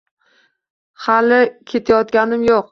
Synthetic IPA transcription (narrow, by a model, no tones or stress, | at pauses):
halɪkʲʰe̞t̪ʰajɒt̪kʲanɪmjoq̚